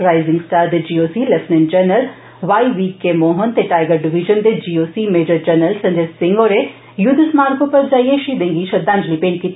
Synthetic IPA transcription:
ɾaːɪzɪ̃ŋɡsʈaːɾd̪ed͡ʒiːoːsilɛsnɛnt͡ʃənəl | ʋaːiʋiːkːemoːɦənt̪eʈaːjɡəɾɖɪʋiʒənd̪ed͡ʒiːoːsiːmeːd͡ʒəɾt͡ʃəɾnəlsɐ̃ɲd͡ʒesɪŋɡoɾe | jʊd̪əsmaːɾɡõpɐɾd͡ʒaːieʃid̪ẽŋɡiʃɐd̪ãːɲd͡ʒlipeːnkit̪

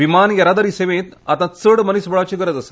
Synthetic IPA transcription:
ʋimanjɐɾad̪əɾiseʋẽt̪at̪at͡səɽmənisbəɭat͡ɕiɡəɾət̪əsə̥

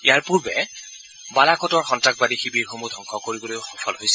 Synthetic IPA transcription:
ijaɹpuɹbɛ | balakʰɔtɔɹxɔntɹak̚badixibiɹxomudʱɔŋkʰɔkoɹibɔlojxɔfʰɔlɦojsɛ

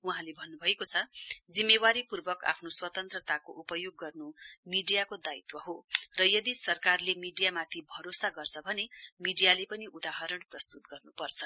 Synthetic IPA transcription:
uɦãlebʱʌnːubʱʌekot͡sʰʌd͡zimːewaɾipurbʌka̰pʰnoswʌt̪ʌnt̪rʌt̪akoʔupʌjoɡːʌrnumiɖijakod̪ait̪wʌɦorʌjʌd̪isʌrkarlemiɖijamat̪ʰibʱʌɾosaɡʌrt͡sʰʌbʱʌnemiɖijalepʌniʔud̪aɦʌɾʌɽprʌst̪ut̪̚ɡʌrnupʌrt͡sʰʌ

